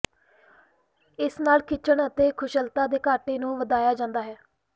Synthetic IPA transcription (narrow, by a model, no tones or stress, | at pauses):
ɪsnaːlkɪt͡ʃəɳət̪eːkʰʊʃəlt̪aːd̪eːkaːʈeːnũːʋəd̪aːjaːd͡ʒãːnd̪aːɦɛː